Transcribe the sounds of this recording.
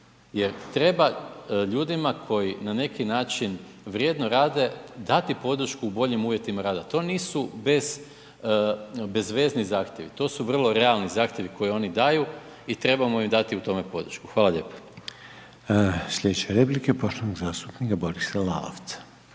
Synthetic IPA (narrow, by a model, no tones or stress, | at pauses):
je̞ɾt̪ɾe̞baʎuːd̪imakʰo̞jinane̞kinaːt͡ʃinʋɾje̞ːd̪noɾaːd̪e̞d̪at̪ipo̞d̪ɾ̩ʃkuːbo̞ʎimuːʋje̞t̪imaɾaːd̪at̪o̞ːniːsube̞z̥ | be̞zʋe̞ːznizaːxt̪je̞ʋḭt̪o̞ːsuʋr̩lˠo̞ɾe̞alˠnizaːxt̪ʲje̞ʋiko̞jio̞nid̪aju | it̪ɾe̞bamoimd̪at̪iut̪o̞me̞po̞d̪ɾ̩ʃku̥xʋaːlˠaʎe̞ːpḁ | sʎʲed̪et͡ɕeɾeplikepoʃt̪onoɡzaːst̪upnikabo̞ɾisala̰o̰ʋt̪sḁ